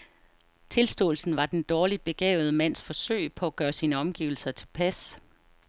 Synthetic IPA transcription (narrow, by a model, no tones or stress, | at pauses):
t͡sʰe̝lsd̥ɔ̰ːl̩sn̩ʋɑ̈d̥end̥ɒːlid̥̚b̥e̝ɡ̥ɛ̰ːʊð̞ˠəmæn̰sfɒ̽søɪ̰pʰɒ̽æɡ̥ɶːɐsiːnəɒ̽mɡ̥ḭːʊl̩sɐt͡sʰe̝̥lpʰæs